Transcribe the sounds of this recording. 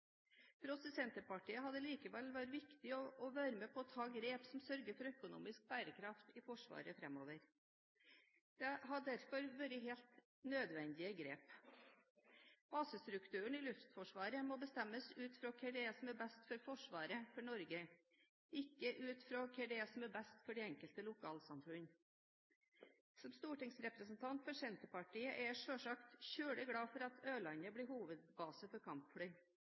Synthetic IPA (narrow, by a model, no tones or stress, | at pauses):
pʰɾɔsəsɛnt̪əpɑʈiːəɦɑd̪əliːkəʋɛlʋæɾʋɪkt̪ɪɔʔɔʋæːɾəmɛːpʰɔːt̪ʰɑːɡɾeːpsɔmsœɾɡəɾfɔɾœkʊnṵːmɪsk̚bæːɾəkʰɾɑft̪ɪfɔʂʋɑ̰ːɾəfɾɛmoːʋəɾ | d̪̥ɛɦɑɖæɾfɔɾʋøːɾəɦeːlt̪ | nøːd̪ʋɛnd̪ɪəɡɾḛːp | b̥ɑːsəst̪ɾʉkt̪ʰʉːəɳ̩ɪlʉft̪fɔʂʋɑːɾəmɔbəst̪ɛmːəsʉːt̪fɾoːkʰɛɖɛsɔmɛbɛst̪fɔɾfɔʂʋɑːɾəfɔɳɔɾɡə | ɪkːəʔʉːt̪fɾoːkʰɛɖɛsɔmɛbɛst̪fɔɖɛɛŋkəlt̪əlʊkʰɑːlsɑmfɾʉn | sɔmst̪uːʈɪŋsɾɛpɾəsn̩t̪ʰɑnt̪fɔɾʂɛnt̪əpɑʈiːəʔɛʂøːʂɑkt̪çøːɽəɡɽɑːfɔɾɑt̪ʰøːlɑnəbliːhuːʋəd̪̚bɑːsəfɔɾkʰɑmpfɽyː